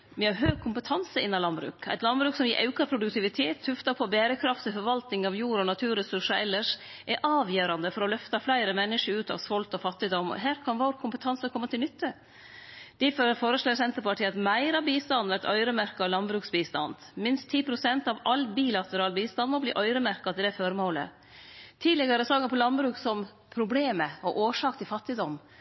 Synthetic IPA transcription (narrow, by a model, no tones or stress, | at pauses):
ʋɪhɑɾɦøːɡ̚kʰːʊmpət̪ʰɑnsəɪnːɑlɑnbɾʉ̰ːkæ̰t̪lɑnbɾʉːksɔmɪʔɑʉkɑpʰɾʊd̪ʉkt̪ɪʋɪt̪ʰeːt̪ʰːʉft̪ɑpʰɔːbæːɾəkʰɾɑft̪ʰɪlfɔɾʋɑlt̪nɪŋɑʋjuːɾɔnɑt̪ʰʉːɾɛsʉʂəɛlːəʂ | ʔɛʔɑːʋjøːɾɑnd̪əfɔɾɔlœft̪ɑflæɪɾəmɛnːɪʂəɾʉːt̪ɑ̰ʋsʋɔlt̪ɔfɑt̪ːɪd̪ɔmɔ̰ɦæːɾkʰɑnʋoːɾkʰʊmpət̪ʰɑnsəkʰɔmːət̪ʰɪlnʏt̪ːə | d̪̥ɪffoːɾəʂʈ̪oːsɛnt̪əɾpɑʈʰiːɑt̪mæɪɾɑbiːst̪ɑnæt̪œ̰ʏɾəmæɾkɑlɑnbɾʉːksbiːst̪ɑ̰nd̪mɪnst̪ʰːiːpʰɾʊsɛnt̪ɑʋɑlːbiːlɑt̪əɾɑːlbiːst̪ɑnd̪mɔblḭːʔœʏɾəmæɾkɑt̪ʰɪd̪ɛfɔɾmoːlə̰ | t̪ʰiːlɛɡəɾəsɑŋəpʰɔlɑnbɾʉːksɔm | pʰɾʊbleːməɔʔoːʂɑːkt̪ɪlfɑt̪ːɪd̪ɔm